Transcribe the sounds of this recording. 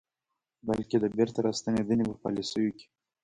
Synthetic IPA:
balked̪əbeɾt̪aɾast̪aned̪ənepəpa̰lisəwikʲe̥

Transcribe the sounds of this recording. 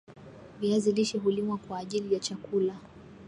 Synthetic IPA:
viaziliʃɛɦulimwakwaːʄilijat͡ʃakula

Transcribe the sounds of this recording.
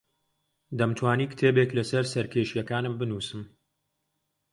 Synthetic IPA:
d̪ɐmt̪ʰwaːniːkɨ̥t̪ʰeːbeklɐsɐɾsɐɾkʰeʃjɛkaːnɨmbɨnuːsɨm

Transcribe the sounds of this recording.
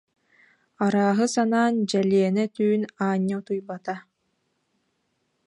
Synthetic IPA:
aɾaːɦɯsanaːnd͡ʑɛliɛnɛt̪yːnaːɲːat̪ujbat̪a

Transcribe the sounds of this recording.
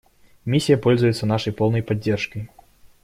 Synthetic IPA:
mʲisʲːijɐpɔlʲzujut̪sːɐnaʂɐjpɔlˠnɐjpadʲd͡zʲːɛrʂkəj

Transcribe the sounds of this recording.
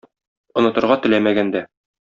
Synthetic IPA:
ŏnɤ̆t̪ɤ̆ɾʁɑt̪ɘ̆læmæɡænd̪æ

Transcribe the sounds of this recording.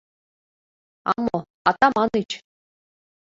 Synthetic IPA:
a̰mo | at̪amanit͡ɕʰ

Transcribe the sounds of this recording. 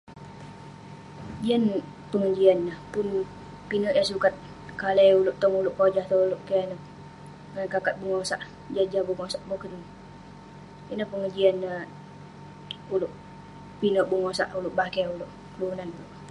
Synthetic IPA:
d͡ʒian | pəŋəd͡ʒianːahpʊn | pinɔʔjasukat̪̚ | kalɛjulʊʔt̪ɔŋulʊʔkod͡ʒaht̪oulʊʔkianə | akakat̪̚buŋosaʔ | d͡ʒad͡ʒabuŋosaʔbokənəŋ | inəhpəŋəd͡ʒianːə | ulʊʔ | pinɔʔbuŋosaʔulʊʔbakɛulʊʔ | kəlunanloʔ

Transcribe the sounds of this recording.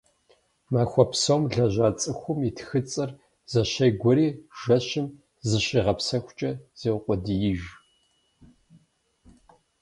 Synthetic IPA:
maːxʷɔpsowmɮɐʑʷaːt͡sʼɨxʷʊmitʰxɨt͡sʼɐr | z̥ɐɕɐjɡʷʊɾiːʒ̥ɐɕɪm | zɨɕiːʁɐpsɐxʷʊt͡ʃʼɐz̥eːwqʷʼɔdɨjiʒ

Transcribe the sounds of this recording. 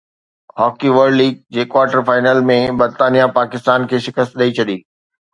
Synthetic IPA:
hɔːkiʋəɾɖliːɡ̚d͡ʑeːkwaːɾʈəɾfaːɪnəːlmẽbɐɾt̪aːnijapaːkɪst̪aːnkʰeːʃɪkəst̪ɗɐit͡ɕʰɐɗiː

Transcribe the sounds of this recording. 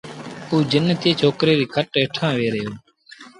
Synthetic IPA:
uːd͡ʒɪnːət̪eːt͡ʃʰoːkɾeːɾiːkʰəʈeːʈʰãːʋeːɾəɦoː

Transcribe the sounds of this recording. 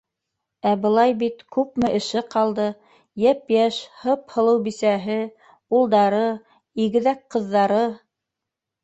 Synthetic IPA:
æbɤ̆lˠɑjbit̪kʉp̚mɘʔɘ̆ʃɘqɑlˠd̪ɤ | jæpjæʃhɤphɤ̆lˠɤwbisæɦɘ | ulˠd̪ɑɾɤ | iɣɘ̆ðækqɤ̆ðːɑɾɤ

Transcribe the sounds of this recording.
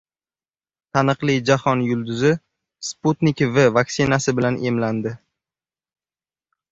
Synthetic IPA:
t̪ʰanɨqlˠid͡ʒahɒnjʊlˠd̪ʊzɪ | sput̪nikʲvɪvaksɪnasɪbɪlanʔe̞mland̪ɪ

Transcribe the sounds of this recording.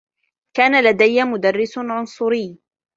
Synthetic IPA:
kaːnalad̪ajːamʊd̪arːɪsʕʊnsˤʊɾɪjː

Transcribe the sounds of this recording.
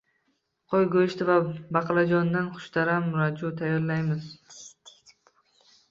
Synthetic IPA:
qʰojɡojɪʃt̪ʰɪvabɑqʰɨlˠad͡ʒɒnd̪anχʊ̥ʃt̪aɾamːʊɾad͡ʒut̪ʰajːɒɾlajmɪz

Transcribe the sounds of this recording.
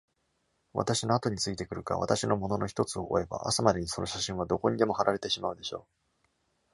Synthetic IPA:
βa̰t̪aɕino̞at̪o̞ɲ̟it͡sɨit̪e̞kɯ̟ɾɯ̟ka̰βa̰t̪aɕino̞mo̞no̞no̞çi̥t̪o̞t͡sɨo̞ʔoe̞ba̰ʔa̰samad̪e̞ɲ̟iso̞no̞ɕaɕĩɰ̃β̞ad̪o̞ko̞ɲ̟id̪e̞mo̞haɾʔaɾe̞t̪e̞ɕimaɯ̟d̪e̞ɕo̞ː

